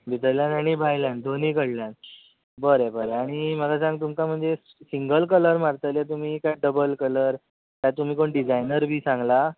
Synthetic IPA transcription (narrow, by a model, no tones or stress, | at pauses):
bit̪əɾljanaɽ̃ibʱajljand̪ʱonikəɽljan | bəɾebəɾeaɽ̃iməlasãŋɡ̚t̪umkam̤əɳd͡ze | siŋɡəlkələɾmaɾt̪əljat̪um̤iːkajɖəbəlkələɾ | t̪jat̪um̤iːkoɳɖid͡zajnəɾbʱiːsãŋɡla